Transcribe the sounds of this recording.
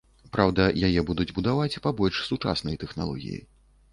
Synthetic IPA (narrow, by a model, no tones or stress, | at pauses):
pɾawd̪ɐjajɛbud̪ud͡zʲbud̪avat͡sʲpabɔlʲʂsut͡ʂa̰snɐjt̪ɛxna̰lˠɔ̰ɣʲḭjḭ